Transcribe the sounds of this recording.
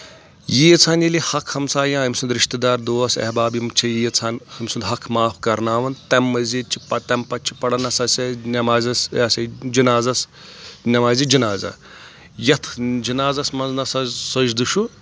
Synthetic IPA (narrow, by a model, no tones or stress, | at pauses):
jiɐt͡sʰaːnjilihɐkʰhɐmsaːjãːɦɐmʲsund̪ɾiʃt̪ɐd̪aːɾd̪oːɐsḛɦbaːbjimt͡ʃʰɐjijɐt͡sʰaːnhɐmʲsund̪ɦɐkʰmaːpʰkɐɾnaːʋɐnt̪ɐmːɐzit͡ʃʰi̥pɐt̪ɐmpɐt͡ʃʰi̥pɐɽɐnɐsɐsɐnʲɐmaːzɐsaːsʲɐd͡ʒinaːzɐs | nʲɐmaːzid͡ʒinaːzɐ̰ | jɐt̪ʰd͡ʒinaːzɐsmɐnznɐsɐsɐd͡ʒd̪ɨʃu